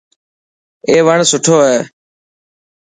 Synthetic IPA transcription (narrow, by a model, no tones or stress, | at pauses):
eːʋəɳsʊʈʰoːɦeː